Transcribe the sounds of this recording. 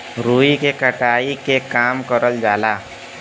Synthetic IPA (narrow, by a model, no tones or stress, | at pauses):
ɾuːikekəʈaːikekaːmkəɾəld͡ʒaːlaː